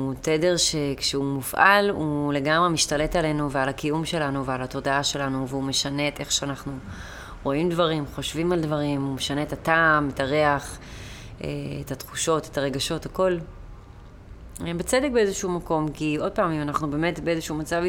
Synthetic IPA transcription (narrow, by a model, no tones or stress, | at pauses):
tedeʁʃe̞kʃeumufʔa̰lule̞ɡamʁemiʃtale̞tale̞nuvealakijumʃe̞lanuvealato̞daaʃe̞lanuveume̞ʃane̞te̞χʃeanaχnu | ʁo̞imdvaʁimχo̞ʃvimaldvaʁimumeʃaneːtataːmetaʁeaχ | ḛetatχuʃo̞te̥taʁe̞ɡaʃo̞thako̞l | bet͡sedek̚be̞ezeʃumako̞mkio̞d̚paːmimanaχnube̞ːmetbeezeʃumat͡sav